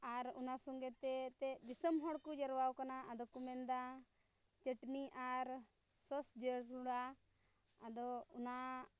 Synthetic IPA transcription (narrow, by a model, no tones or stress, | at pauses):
aɾṵnasɔŋɡɛt̪ɛt̪ɛd̪isəmɦɔɽkud͡ʒəɾwawkanaʔad̪ɔkumɛnd̪a | t͡ʃəʈniʔaɾ | sɔsd͡ʒəɽɾuɽa | ad̪ɔuna